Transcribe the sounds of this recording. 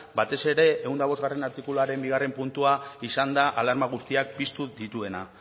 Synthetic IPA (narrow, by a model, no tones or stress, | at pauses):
bat̪e̞se̞ɾe̞ʔːund̪aβo̞zɣare̞naɾt̪ikuluaɾe̞mbiɣ̞are̞mpunt̪uaisand̪aʔalaɾmaɣ̞ust̪iak̚pist̪uðit̪ue̞na